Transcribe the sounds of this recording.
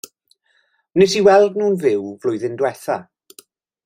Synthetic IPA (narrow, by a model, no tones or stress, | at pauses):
nɪsiwɛlˠdnuːnvɪwvlʊjðɪndwɛθa